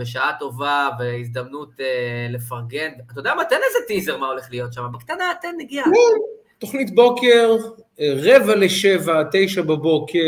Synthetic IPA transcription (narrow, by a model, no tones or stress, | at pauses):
beʃaato̞vaveizd̪amnutele̞faʁɡenbatodamat̪enezetizeʁmao̞leχlijo̞t̪ʃamabekt̪anaat̪enːeɡialo | to̞χnitbo̞ke̞ʁ | ʁevaleʃevate̞jʃababo̞kʰe